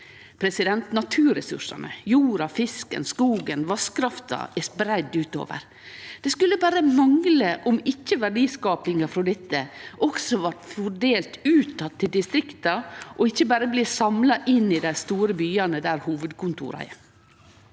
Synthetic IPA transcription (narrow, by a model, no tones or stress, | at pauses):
pʰɾɛsɪd̪ɛnt̪nɑt̪ʰʉːɾɛsʉ̰ʂɑ̰nə̰juːɾɑfɪskə̰nskuːɡənʋɑskɾɑft̪ɑ̰ʔæspɾæd̪ʉːt̪o̰ːʋə̰ɾ | d̪̥ɛskʉlːəbæːɾəmɑŋləʔɔmɪçːəʋæɖiːskɑːpɪŋɑfɾɔd̪ɛt̪ːəʔɔksɔʋɑʈfɔɖeːlt̪ʉːt̪ʰːɑt̪ʰːɪld̪ɪst̪ɾɪkt̪ɑʔɔɪçːəbæːɾəbliːsɑmlɑʔɪnɪd̪æɪst̪uːɾəbyːɑnəd̪æːɾhuːʋəd̪kʊnt̪ʰṵːɾɑ̰